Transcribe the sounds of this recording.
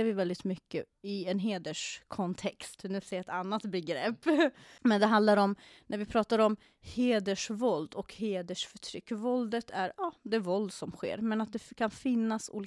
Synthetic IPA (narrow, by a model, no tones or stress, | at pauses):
ɾvɪvɛld̪ɪt̪mʏkːə̰ɪɛnɦeːd̪əʂkʰɔnt̪ʰɛkst̪nɛseːɾɛt̪anːat̪bɛɡɾɛpːmɛnd̪ɛɦand̪laɾɔmnʔæɾvɪpʰɾɑːt̪aɾɔm | heːd̪əʂvɔld̪ɔkheːd̪əʂfœʈʰɾʏ̰kːvɔld̪ət̪ʰæɾɑːd̪ɛæɾvɔld̪sɔmɧḛːɾmɛnat̪̚d̪ɛkʰanfɪnːasṵːlː